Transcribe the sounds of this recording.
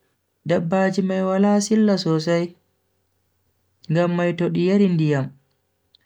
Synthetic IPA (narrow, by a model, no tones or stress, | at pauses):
dabːaːd͡ʒimajwalaːsilːasɔs̬aj | ŋɡamːajtoɗijaɾindijam